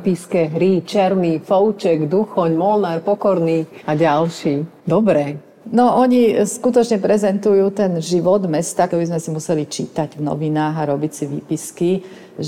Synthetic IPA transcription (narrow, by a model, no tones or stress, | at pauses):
piskɛɦɾit͡ʃɛɾmifɔʊt͡ʃɛɡd̪uxɔɲmɔlnaːɾpɔkɔɾniaɟalʃiː | d̪ɔbɾɛ | nɔʔɔɲiskut̪ɔt͡ʃɲɛpɾɛzɛnt̪ujuːt̪ɛnʒiʋɔd̪mɛst̪akɔbizmɛsimusɛlit͡ʃit̪aɟvnɔ̰ʋinaːɣaɾɔbicsiʋḭːpiski